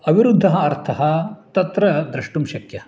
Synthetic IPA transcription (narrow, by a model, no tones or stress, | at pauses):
ɐbʱiɾud̪ʱːɐɦɐːɾt̪ʰɐɦɐt̪ɐt̪ɾɐd̪ɾɐʂʈumʃɐkjɐ